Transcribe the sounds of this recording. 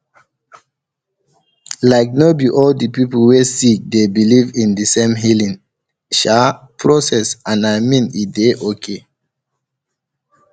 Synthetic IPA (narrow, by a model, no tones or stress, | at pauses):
laɪk̚nobiʔɔldipiplwesik̚debilivĩndisẽmɦilĩŋ | ʃa | pʰɹosɛsãnaɪmĩnideʔokʰe